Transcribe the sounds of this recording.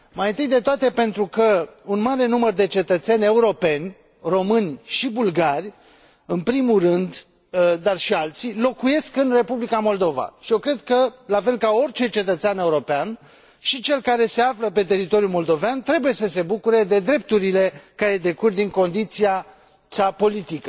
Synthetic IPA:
majɨnt̪ɨjd̪e̞t̪oat̪e̞pe̞nt̪ɾukəunmaɾe̞numərd̪e̞t͡ʃe̞t̪ət̪se̞nʲe̞uɾo̞pe̞nʲ | ro̞mɨnʲʃibulɡarʲ | ɨnpɾimurɨnd̪ | d̪arʃialt̪silo̞kuje̞skɨnre̞publikamo̞ld̪o̞va̰ʃijewkɾe̞d̪̚kəlafe̞lkao̞rʲt͡ʃe̞t͡ʃe̞t̪ət̪seane̞uɾo̞pean | ʃit͡ʃe̞lkaɾe̞se̞afləpe̞t̪e̞ɾit̪o̞ɾjumo̞ld̪o̞veant̪ɾe̞buje̞səse̞bukuɾe̞d̪e̞d̪ɾe̞p̚t̪uɾile̞kaɾe̞d̪e̞kurd̪iŋko̞nd̪it̪sia | t͡ʃapo̞lit̪ikə

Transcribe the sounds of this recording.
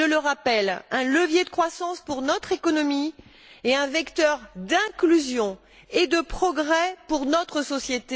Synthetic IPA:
ələʁapɛlɛ̃ləvjed̪əkχwasɑ̃spuʁnɔt̪χekɔnɔmi | eɛ̃vɛkt̪œʁd̪ɛ̃klyzjɔ̃ | ed̪əpχɔɡʁɛpuʁnɔt̪χəsɔsjet̪e

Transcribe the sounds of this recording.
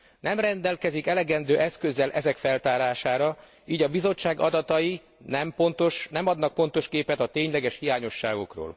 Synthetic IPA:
nɛmrɛnd̪ɛlkɛzikɛlɛɡɛnd̪øːʔɛskø̞zːɛlʔɛzɛkfɛlt̪aːɾlaːʃaːɾɒ | iːɟɒbizo̞t͡ʃːaːɡɒ̰d̪ɒt̪ɒji | nɛmpont̪oʃnɛmɒd̪nɒk̚po̞n̪t̪o̞ʃkeːpɛt̪ɒt̪eːɲlɛɡɛʃhijaːɲo̞ʃːaːɡo̞kro̰ːl

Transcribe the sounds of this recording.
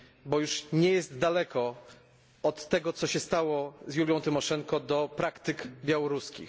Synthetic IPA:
bɔjuʂɲɛjɛst̪d̪alɛkɔ | ɔt̪ːɛɡɔt̪sɔɕɛst̪awɔzjulʲjɔ̃w̃t̪ɘmɔʂɛŋkɔ̃d̪ɔpɾakt̪ɘkbʲjawɔɾuskʲḭx

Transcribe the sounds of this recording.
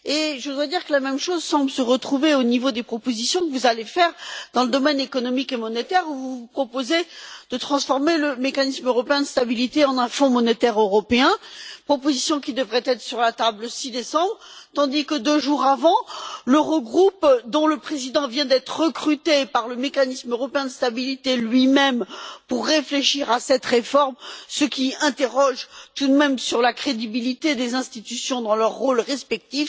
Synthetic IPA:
eʒəd̪wɛd̪iʁkəlamɛmʃozsɑ̃bləsəʁət̪χuveonivod̪epχɔpozisjɔ̃kəvuzalefɛʁd̪ɑ̃ləd̪ɔmɛnekɔnɔmikemɔnet̪ɛʁuvuvupχɔpozed̪̥ət̪χɑ̃sfɔʁmeləmekanismøʁɔpeɛ̃d̪əst̪abilit̪eɑ̃nɛ̃fɔ̃mɔnet̪ɛʁøʁɔpeɛ̃pχɔpozisjɔ̃kʲid̪əvʁɛt̪ɛt̪χsyʁlat̪abləsid̪esɑ̃bʁt̪ɑ̃d̪ikəd̪øʒuʁavɑ̃ləʁəɡʁupd̪ɔ̃ləpχezid̪ɑ̃vjɛ̃d̪ɛt̪χəʁəkχyt̪epaʁləmekanismøʁɔpeɛ̃d̪əst̪abilit̪elɥimɛmpuʁːefleʃiʁasɛt̪ʁefɔʁmsəkʲiɛ̃t̪eʁɔʒt̪ud̪mɛmsyʁlakχed̪ibilit̪ed̪ezɛ̃st̪it̪ysjɔ̃d̪ɑ̃lœʁːolʁɛspɛk̚t̪if

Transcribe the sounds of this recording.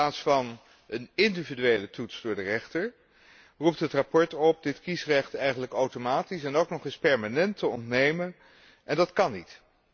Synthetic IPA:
aːtsfɑn | ənɪndividyejlətutsd̥ʊːɹdərɛχtəɹ | rup̚tɦətrapɔɹtɔp̚dɪtkisrɛχtɛjχənləkawtomaːtisɛnowknɔχɪspɛɹmanɛntəɔntnejmən | ʔɛndɑtkɑnit

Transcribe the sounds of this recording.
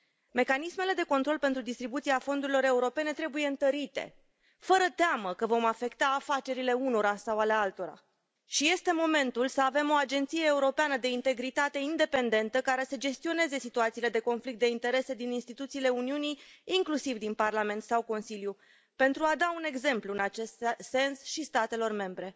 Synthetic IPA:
me̞kanisme̞le̞d̪e̞ko̞nt̪ɾo̞lpe̞nt̪ɾud̪ist̪ɾibut̪siafo̞nd̪uɾilo̞ɾe̞uɾo̞pe̞ne̞t̪ɾe̞buje̞ɨnt̪əɾit̪ḛ | fəɾət̪eaməkəvo̞mafe̞kt̪aːfat͡ʃe̞ɾile̞uno̞ɾasawale̞alt̪o̞ɾa̰ | ʃije̞st̪e̞mo̞me̞nt̪ulsəave̞mo̞ad͡ʒe̞nt̪sijeːuɾo̞peanəd̪e̞int̪e̞ɡɾit̪at̪e̞ind̪e̞pe̞nd̪e̞nt̪əkaɾe̞səd͡ʒe̞st̪io̞ne̞ze̞sit̪uat̪siːle̞d̪e̞ko̞nflik̚t̪d̪e̞int̪e̞ɾe̞se̞d̪ininst̪it̪ut̪siːle̞uniuniiŋklusivd̪inparlame̞nt̪sawko̞nsilju | pe̞nt̪ɾuad̪aune̞ɡze̞mpluɨnat͡ʃe̞st̪se̞nsʃist̪at̪e̞lo̞rme̞mbɾe̞

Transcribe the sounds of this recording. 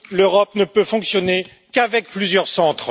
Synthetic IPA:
løʁɔpnəpøfɔ̃ksjɔne | kavɛk̚plyzjœʁsɑ̃t̪χ

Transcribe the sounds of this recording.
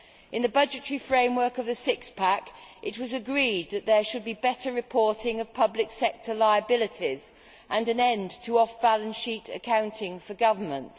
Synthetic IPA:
ɨ̃nðɨbʌd͡ʒɨtəɹifɹẽɪ̃mwɜ˞kʌvðɨsɪkspʰakʔɪt̚wʌzɨɡɹid̪̚ðɨʔ̪̚ðə˞ʃɨd̚bibɛtəɹɨpʰɔɹtɪ̃ŋʌv̥pʰʌblɪksɛk̚tʰə˞laɪəbɪlˠɨtʰiz | ʔə̃nɨ̃nɛ̃ntʰəɒfb̥ælə̃nʃitɨ̰kʰãʊ̃ntʰɪ̃ŋfəɡʌvə˞mə̃nt

